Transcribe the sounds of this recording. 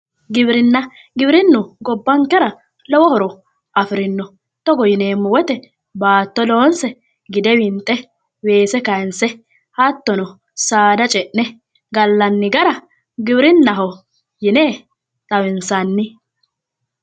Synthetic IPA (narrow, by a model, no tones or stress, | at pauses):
ɡɪbɾɪnːɐ | ɡɪbɾɪnːʊɡɔbːɐŋkɛɾɐ | lɔwɔhɔɾɔ | ʔɐfɪɾɪnːɔ | t̪ɔɡɔjɪne̞ːmːʊwɛt̪ɛ | baːt̪ːɔloːnsɛ | ɡɪd̪ɛwɪnt̪ʼːɛ | we̞ːsɛkɐjnsɛ | hɐt̪ːɔnɔ | saːd̪ɐt͡ʃʼɛʔnɛ | ɡɐlːɐnːɪɡɐɾɐ | ɡɪbɪɾɪnːɐɦɔ | jɪneː | t̪ʼɐwɪnsɐnːɪ